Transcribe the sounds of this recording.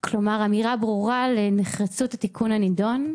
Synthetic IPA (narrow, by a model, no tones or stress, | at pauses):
klo̞maʁamiʁabʁuʁaleneχʁat͡suthatikʰunhanidon